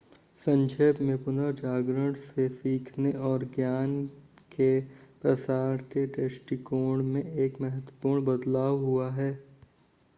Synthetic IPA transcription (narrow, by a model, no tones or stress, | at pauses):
sɐ̃ɲd͡ʒəjbmẽpʊnəɾd͡ʒaːɡɾəɽsesiːkʰneɔːɾɡjaːn | kepɾɐsaːɾkeʈeːsʈikoːɽmẽeːkmɛɦət̪wəpuːɾɳbɐd̪laːʋɦuaɦɛː